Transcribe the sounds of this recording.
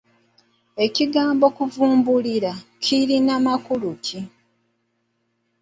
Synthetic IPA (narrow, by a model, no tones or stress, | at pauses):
e̞ciɡaːmbo̞kuvuːmbuliɾacʰiɾinamakuluci